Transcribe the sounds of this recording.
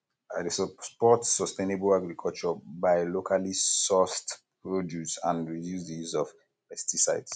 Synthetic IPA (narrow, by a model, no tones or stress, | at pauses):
adesspɔtsɔstenebɔlaɡɹikʰɔlt͡ʃɔbaɪlokʰalisɔstpɹodjusã̰ndɹijusdijusɔf | pɛstisaɪds